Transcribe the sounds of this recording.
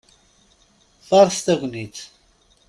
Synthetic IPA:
θɑɾˤst̪æɡʷnit̪

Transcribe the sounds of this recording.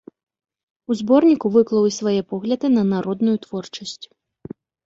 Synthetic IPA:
uzbɔrnʲikuvɨklˠɐwisvajɛpɔɣlʲɐd̪ɨnɐnaɾɔd̪nujut̪vɔrt͡ʂɐsʲt͡sʲ

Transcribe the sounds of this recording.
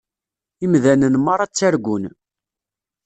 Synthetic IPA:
imðænənmɑɾˤɑt͡sːæɾɡʷun

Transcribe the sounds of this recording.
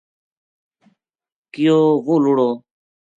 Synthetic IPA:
kɪjoːɣuːluɽoː

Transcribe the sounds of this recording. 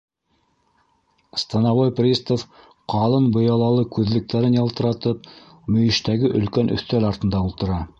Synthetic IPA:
st̪ɑnɑβojprʲist̪of | qʰɑlˠɤnbŏjɑlˠɑlˠɤkʉðlɘ̆k̚t̪æɾɘnjɑlˠt̪ɤ̆ɾɑt̪ɤp̚ | mɵ̆jɘ̆ʃt̪æɡɘʔɵ̆lkænʔɵ̰̆θt̪ælɑɾt̪ɤ̆nd̪ɑulˠt̪ɤ̆ɾɑ

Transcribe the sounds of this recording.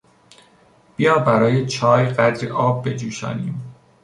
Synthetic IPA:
b̥ijɒːbæɾɒːjet͡ʃʰɒːjɢæd̪ɾeʔɒːb̚ːe̞d͡ʒuːʃɒ̰ːniːm

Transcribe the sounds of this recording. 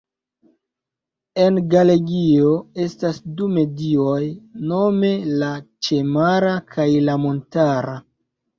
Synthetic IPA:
e̞nɡale̞ɡio̞e̞stasdume̞dio̞jno̞me̞lat͡ʃe̞maɾakʰajlamo̞ntaɾa

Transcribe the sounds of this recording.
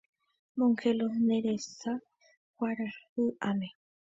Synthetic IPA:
moŋkeloneɾesa | wʷwaɾahuʔame

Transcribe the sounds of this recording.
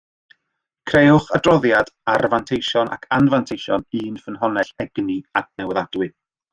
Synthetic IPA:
kʰrejʊχadrɔðjadarvantʰejʃɔnʔa̰kʰanvantʰejʃɔnɨːnfənɦɔnɛɬɛɡniak̚nɛwɛðadwɨ

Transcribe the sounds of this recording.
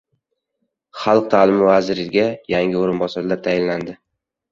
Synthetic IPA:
χɑlˠq̚t̪ʰalɪmɪvazɪɾɪɡʲajaŋʲɪoɾɪnbɒsaɾlat̪ʰajɪnland̪ɪ

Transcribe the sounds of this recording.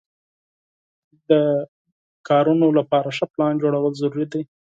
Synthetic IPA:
d̪ə | kɑɾunolapɑɾaʂəplɑnd͡ʒoɽawəlzaɾuɾid̪e

